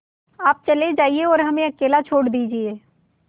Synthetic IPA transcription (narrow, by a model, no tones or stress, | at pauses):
aːp̚t͡ʃɐled͡ʒaːieɔːɾɦɐmẽɐkeːlat͡ʃʰoːɽd̪iːd͡ʒieː